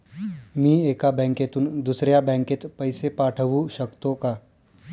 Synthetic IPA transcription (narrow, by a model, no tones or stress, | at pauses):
mĩeːkabɛ̃ːŋket̪und̪usɾjabɛ̃ːŋket̪pəɪsepaːʈʰəʋuʃəkt̪õka